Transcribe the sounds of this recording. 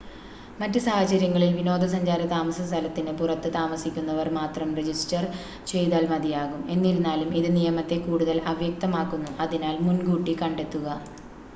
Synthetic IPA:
mɐtːɨsaːhɐt͡ɕɐɾjɐŋːɐɭilʋino̞ːd̪ɐsɐɲd͡ʑaːɾɐt̪aːmɐsɐst̪ʰɐlɐt̪ːinɨpurɐt̪ːɨt̪aːmɐsikʲːunːɐʋɐrmaːt̪rɐmred͡ʑisʈɐr | t͡ɕe̞jt̪aːlmɐd̪ijaːɣume̞nːiɾunːaːlumiðɨnijɐmɐt̪ːe̞kuːɽuðɐlɐʋjɐk̚t̪ɐmaːkːunːuʔɐðinaːlmunɡuːʈːikɐɳɖe̞t̪ːuɣɐ

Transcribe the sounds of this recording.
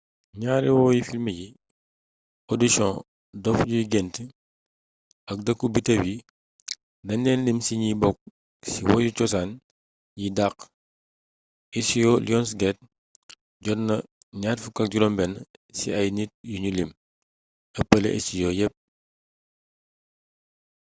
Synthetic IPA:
ɲaːɾiwɔːjifilməji | ɔdisɔ̃ | dɔfɟujiɡɛnti | ɐk̚dɐkːubitɐbji | dɐnːɛnlimsiɲibɔk̚ | siwɔjut͡ʃɔsaːn | jidaq | isijɔliɔns̬ɡɛt̚ | ɟɔnɐ | ɲaːtfukɐk̚ɟuɾɔmbɛnsḭɐjnit̚juɲulim | ɐpːɐlḛʔɐ̰sijɔjɛp̚

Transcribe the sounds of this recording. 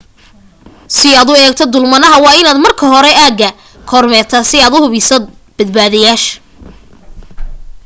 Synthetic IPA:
sɪaːd̪ʊɛːk̚t̪ʰɔd̪ʊlmɐnɐɦɐwɑːɪnaːd̪mɐrkʰɐɦɔɾɛaːɡɐ | kʰɔːrmɛːt̪ʰɐsɪaːd̪ʊhʊβɪsɐd̪̚b̥ɐd̪baːðɐjaːʃ

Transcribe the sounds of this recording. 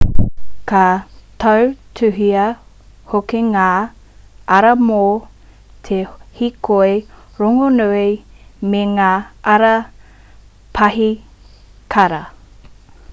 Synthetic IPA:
katʰɐwtʰʉɦiɐ | hokeŋaː | ʔɐɾɐmo | t̪ʰehikʰoeɾoŋonuimeŋaːɐɾɐ | pʰɐɦi | kʰɐɾɐ

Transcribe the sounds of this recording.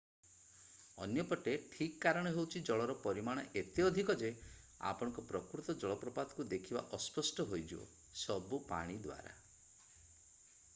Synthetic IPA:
ɔ̰njɔpɔʈeʈʰikːaɾɔɽ̃ɔɦewt͡ʃʰid͡ʒɔɭɔɾɔpɔɾimaɽ̃ɔʔet̪eɔd̪ʱikɔd͡ʒe | a̰pɔɽ̃ɔ̃ŋkɔpɾɔkɾut̪ɔd͡ʒɔɭɔpɾɔpad̪ɔkud̪ekʰiba̰ʔɔspɔsʈɔɦojd͡ʒuo̰ | sɔbupa̰ɽ̃id̪wa̰ɾa̰

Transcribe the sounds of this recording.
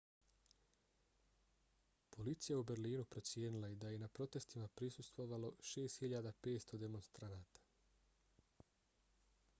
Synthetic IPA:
po̞lit̪sijaubeɾliːnupɾo̞t̪sje̞ːnilaid̪aje̞napɾo̞t̪e̞st̪imapɾisust̪ʋo̞ʋalo̞ʃe̞ːst̪hiʎaːd̪ape̞ːt̪st̪o̞d̪e̞mo̞nst̪ɾanaːt̪ḁ

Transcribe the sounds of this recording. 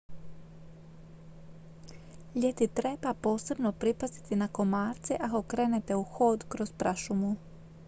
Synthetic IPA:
ʎet̪it̪ɾebapo̞ːse̞bnopɾipast̪i̥t̪inako̞maːɾt̪siʔako̞kɾeːnet̪euxo̞ːd̪kɾospɾaʃumu

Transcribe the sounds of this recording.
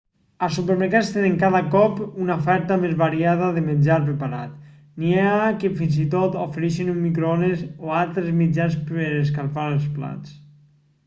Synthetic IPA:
asupəɾməɾkast̪eneŋkaðakɔpunaofɛɾt̪amezβaɾiaðaðemenʲd͡ʒaɾpɾepaɾat̪ | niakefinzit̪ot̪ofeɾiʃinummːikɾonezoalˠt̪ɾezmid͡ʒanspəɾeskalfaɾəlˠspla̰t͡s

